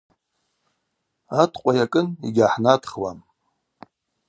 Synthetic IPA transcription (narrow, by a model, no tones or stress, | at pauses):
atʰqʷʼajakʼɨnḭɡʲaħnatχwam